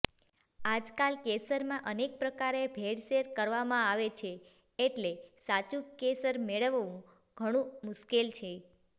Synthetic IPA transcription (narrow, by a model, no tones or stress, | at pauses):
ad͡ʒkalkesəɾmãʔənek̚pɾəkaɾebʱeɽʃeɾkəɾʋamãaʋet͡ʃʰeː | ʈlesat͡ʃũkesəɾmeɭəʋʋũ | ɡ̥ʱəɽ̃ũmʊʃkelt͡ʃʰe